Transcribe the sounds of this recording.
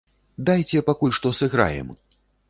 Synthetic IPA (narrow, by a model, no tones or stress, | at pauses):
d̪ajt͡sʲɛpakulʲʂt̪ɔsɨɣɾa̰jɛ̰m